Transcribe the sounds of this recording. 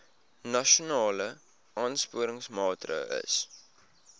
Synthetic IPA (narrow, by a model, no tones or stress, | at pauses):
nɐʃunɑːlə | ʔɑːnspuəɾəŋsmɑːtrə̰ə̰s